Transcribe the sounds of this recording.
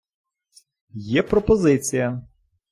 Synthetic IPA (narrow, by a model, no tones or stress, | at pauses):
jɛpɾɔpɔzɪt͡sʲijɐ